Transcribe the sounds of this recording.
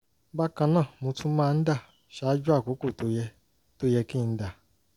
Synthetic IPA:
ba˦kã˧nãː˦˨mõ˧tũ˦mãː˦˧n̩˦da˦˨ | ʃa˦d͡ʒu˦a˦˨ko˨˦ko˦˨to˨˦jɛ˧ | to˦jɛ˧ki˦˧n̩˦da˦˨

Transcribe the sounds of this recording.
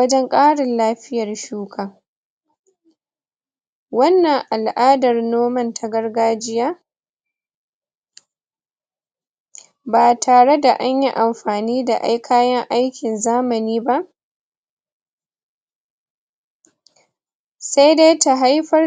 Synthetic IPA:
ɐ˦d͡ʒɛ˦ŋkʼaː˦ɽɪ˨nlaː˦ɸɪ˦jɐ˨rʃuː˦kʰaː˨ | wɐ˦nːɐ˨ŋʔa˨lʔaː˦dɐ˨rnoː˦mɐ˦ntʰa˨ɡɐ˦rɡaː˦d͡ʒɪ˦jaː˦ | baː˨tʰaː˨ɽe˦da˨ʔa˦ɲji˦ʔa˨mɸaː˨niː˦da˨ʔa̰˦jkʰaː˦jɐ˦ŋʔa˦jkʲɪ˨nzaː˦mɐ˨niː˦ba˦ʔ | sa˦jde˦ta˨ɦa˦jɸɐ˦

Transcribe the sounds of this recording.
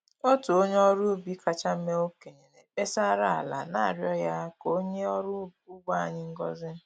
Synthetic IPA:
o˦tu˨o˦ɲe˦ɔ˦ɾu˦bi˦kʰa˨t͡ʃa˦m̩˦me˦o˦ke˨ɲe˨ne˨be˦sa˦ɾa˦a̰˨la̰˨na˦˨ɾjɔ˦ja˦ko˦ɲe˦ɔ˦ɾʊ˦u˦ɡʷa˦a˨ɲɪ˦ŋ̩˦ɡɔ˦zɪ˦

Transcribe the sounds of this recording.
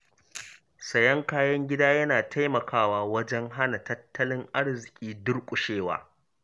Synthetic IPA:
sɐ˨jɐ˦ŋkaː˦jɐ˦ŋɡʲɪ˦daː˦jɐ˦naː˨tʰa˦jmɐ˨kʰaː˦waː˨wɐ˦d͡ʒɛ˦ŋɦa˦na˨tɐ˦tːɐ˦lɪ˦ŋʔa˦rzɪ˨kʲʼiː˦dʊ˦rkʷʼʊ˨ʃeː˦wa̰ː˦

